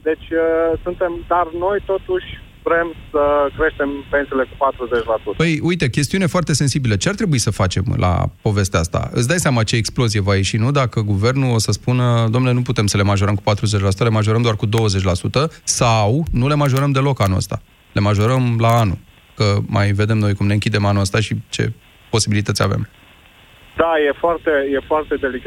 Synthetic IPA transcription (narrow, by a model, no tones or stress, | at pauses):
d̪e̞t͡ʃʲəsunt̪e̞md̪arno̞jt̪o̞t̪uʃʲvɾe̞msəkɾeʃt̪e̞mpe̞nsele̞kupat̪ɾuzet͡ʃʲlasut̪əpəjujt̪e̞kʲe̞st̪iunefoart̪ese̞nsibilət͡ʃe̞art̪ɾe̞buisəfat͡ʃe̞̰mlʔa̰po̞ve̞st̪east̪a̰ɨ̰t̪s̬d̪ajseamat͡ʃeːksplo̞zijevaje̞ʃinud̪akəɡuve̞rnuosəspunəd̪omnele̞nuput̪e̞msəle̞maʒo̞ɾəmkupat̪ɾuzet͡ʃʲlasut̪əle̞maʒo̞ɾəmd̪oarkud̪o̞wəze̞t͡ʃʲlasut̪əsawnule̞maʒo̞ɾəmd̪e̞lo̞kanuə̰st̪a̰ | lʔe̞maʒo̞ɾəmlaanṵ | kəmajve̞d̪e̞mno̞jkumne̞ɨŋkʲid̪e̞manuəst̪aʃit͡ʃe̞̰ | po̞sibilit̪ət̪sʲa̰vḛm | d̪ajefoart̪ejefoart̪ed̪elika